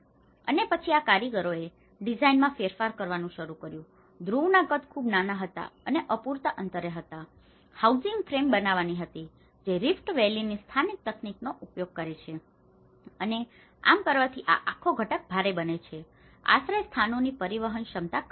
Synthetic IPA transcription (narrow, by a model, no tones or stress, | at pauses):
ə̰nepət͡ʃʰiakaɾiɡəɾoe | ɖid͡ʒainmãfeɾfaɾkəɾʋanũʃəɾukəɾjũ | d̪ɾuʋnaɡət̪ʰkʰubnanaɦət̪a̰əneʔəpuɾt̪aʔənt̪əɾeɦət̪a | hauzɪŋɡfɾembənaʋaniɦət̪i | d͡ʒeɾifʈʋelinist̪ʰanik̚t̪əkniknoʔupjoɡ̚kəɾet͡ʃʰe | əne | a̰mkəɾʋat̪ʰiʔa̰ʔakʰoɡʱəʈək̚bʱaɾebənet͡ʃʰe | a̰ʃɾəjst̪ʰanonipəɾiʋəɦənʃəmt̪a